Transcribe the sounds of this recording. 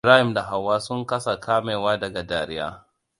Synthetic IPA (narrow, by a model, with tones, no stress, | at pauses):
ɾaː˦hɪ˨mda˨ɦa˨wːaː˦sʊ˦ŋkɐ˦sa˨kʰaː˦meː˨waː˦dɐ˨ɡa˨daː˨ɾɪ˦ja̰ː˦